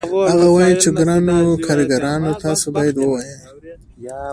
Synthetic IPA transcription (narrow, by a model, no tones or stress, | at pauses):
aɣawɑjit͡ʃeɡɾanokʰɑɾiɡaɾɑnot̪ɑːsobɑːjad̪wəwɑjej